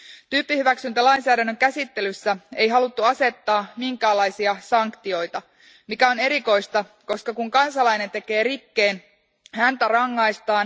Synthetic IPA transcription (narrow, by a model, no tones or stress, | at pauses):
t̪yːpːihyʋæksynt̪ælɑjnsæːdænːø̞ŋkæsit̪ːe̞lysːæe̞jɦɑlut̪ːuɑse̞t̪ːɑːmiŋkæːlːɑjsiɑsɑŋkt̪io̞jt̪ɑ | mikæo̞ne̞ɾiko̞jst̪ɑ | ko̞skɑkuŋkɑnsɑlɑjne̞nt̪e̞ke̞ːɾikːe̞ːn | hænt̪ærɑŋːɑjst̪ɑːn